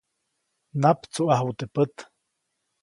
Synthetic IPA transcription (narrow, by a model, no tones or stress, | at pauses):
napt͡suʔaɦwut̪əpət̪